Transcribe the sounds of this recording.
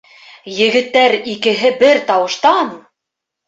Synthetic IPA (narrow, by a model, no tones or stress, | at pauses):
jɘ̆ɡɘ̆t̪ːæɾikɘ̆ɦɘbɘɾt̪ɑwɤ̆ʃt̪ɑn